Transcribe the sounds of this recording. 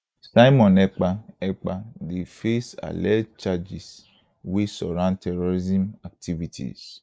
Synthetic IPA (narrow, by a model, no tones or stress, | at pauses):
sajmɔ̃nɛk͡paɛk͡padefesa̰lɛt͡ʃad͡ʒis | wesɔɾãntɛɾɔɾizĩmak̚tʰivitʰḭs